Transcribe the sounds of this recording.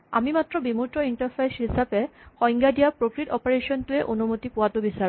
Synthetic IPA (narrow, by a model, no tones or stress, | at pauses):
a̰mimat̪ːɾobimuʈoiɳʈaɾpʰajsɦisapekɔjŋɡad̪ijapɾokɾiʈɔpaɾeʃɔnt̪ueʔonumut̪ipuat̪obisaɾ